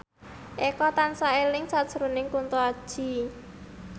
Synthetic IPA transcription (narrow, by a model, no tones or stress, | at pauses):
ʔekɔt̪ansaelɪŋsad̥ʒ̥əɾonɪŋkunt̪uad̥ʒ̥i̤